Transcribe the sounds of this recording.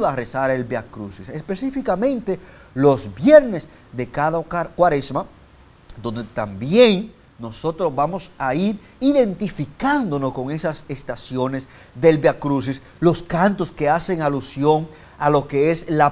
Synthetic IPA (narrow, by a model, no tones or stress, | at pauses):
βaresaɾe̞lbeakɾusisespe̞sifikamẽ̞nt̪e̞lo̞sbjeɾne̞s | ðe̞kaðakakwaɾesma | d̪o̞nd̪et̪ambje̞ŋː | o̞so̞t̪ɾosβamo̞saiɾ | iðe̞nt̪ifikand̪o̞no̞sko̞ŋe̞sase̞st̪asjo̞ne̞s | ðe̞lbeakɾus̬is | lo̞skant̪o̞ske̞ase̞ŋalusjo̞ŋ | alo̞ke̞esla